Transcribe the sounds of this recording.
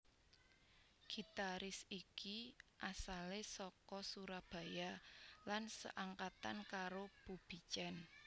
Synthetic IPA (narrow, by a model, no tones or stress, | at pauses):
ɡ̥i̤t̪aɾɪsikiʔasalesɔkɔsuɾab̥ä̤jalansə̰ʔaŋkat̪a̰nkaɾob̥ub̥i̤t͡ʃɛn